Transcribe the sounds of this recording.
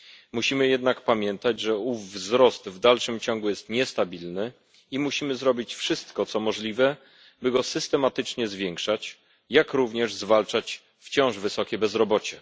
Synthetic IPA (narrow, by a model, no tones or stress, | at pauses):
muɕimɘjɛd̪nakpamʲjɛnt̪ad͡ʑʐɛuvːzɾɔst̪vd̪alʂɘmt͡ɕɔŋɡujɛst̪ɲɛst̪abʲilnɘ | imuɕimɘzɾɔbʲit͡ɕfʂɘst̪kɔt̪sɔmɔʐlʲivɛ | bɘɡɔsɘst̪ɛmat̪ɘt͡ʂɲɛzvʲjɛŋkʂat͡ɕ | jakɾuvɲɛʐzvalt͡ʂat͡ɕ | ft͡ɕɔ̃w̃ʐvɘsɔkʲɛbɛzɾɔbɔt͡ɕɛ